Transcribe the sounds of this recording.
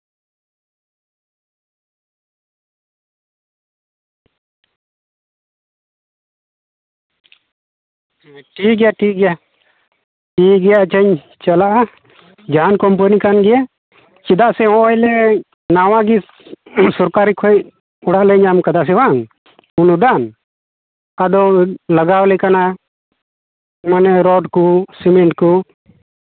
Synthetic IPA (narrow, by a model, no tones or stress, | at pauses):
ʈiɡɛjaʈiɡɛja | ʈiɡɛjat͡ʃəɲ | t͡ʃəlaʔa | d͡ʒaankɔmpənikanɡɛja | t͡ʃid̪aʔsɛɔ̃ʔɔjlɛ | nawãɡi | sɔɾkaɾikʰɔʔ̚ | ɔɽaʔlɛɲamkad̪as̬ɛwaŋ | unud̪an | ad̪ɔlaɡawlɛkana | manɛɾɔɖkusimɛɳʈku